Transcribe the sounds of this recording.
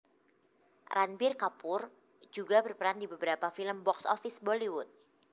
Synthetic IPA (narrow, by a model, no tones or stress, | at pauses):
rʔanbɪrkapʊr | d͡ʒuɡabərpəɾandibəbəɾapafiləmbɔksɔ̰fɪsboliwʊt̪̚